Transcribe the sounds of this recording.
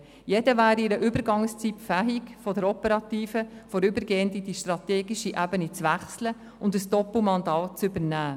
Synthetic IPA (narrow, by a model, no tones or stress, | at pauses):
jɛdəvæːɾiɪɾəʔybəɾɡɑŋst͡sipfæɦikfɔdəɾɔpəɾɑtiːfəfɔɾybəɾɡeːəndid̥iʃtɾɑteːɡiʃiʔæbənit͡sʋæχslə | ʊndəsd̥ɔpl̩mɑndɑːt̚t͡sʏbəɾnæː